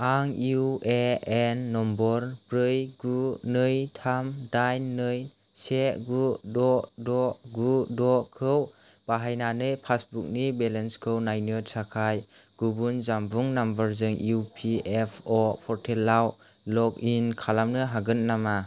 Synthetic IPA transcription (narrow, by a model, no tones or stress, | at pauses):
aŋiueenːɔmbɔɾbɾɯjɡunɯjtʰamdajnːɯj | seɡudɔdɔɡudɔkʰɯw | b̥aɦajnanɯjpʰasbuk̚nibelenskʰɯwnajnɯsakʰajɡ̥ubunzambuŋnambaɾzɯŋiuupʰiepʰɔpʰɔɾtʰelːaw | lɔkinkʰalamnɯɦaɡɯn̚nama